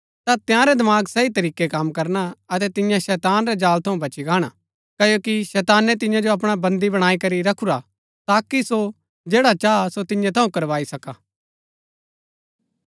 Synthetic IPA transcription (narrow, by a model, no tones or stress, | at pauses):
t̪at̪jãːɾɛd̪ɐmaːɡsɐit̪ɐɾiːkekɐmːkɐɾnaɐt̪ɛt̪ɪjãʃɛːt̪aːnɾɛd͡ʒaːlt̪ʰɐũbʱɐt͡ʃiɡaːɽ̃a | kɐjoːkiʃɛːt̪aːnːɛ̃t̪ɪ̃jãd͡ʒoɐp̬ɽ̃abɐ̃nd̪ibɐɽ̃aːikɐɾiɾɐkʰuɾa | t̪aːkiso | d͡ʒeːɽat͡ʃasot̪ɪjãt̪ʰɐũkɐɾʋaːisɐka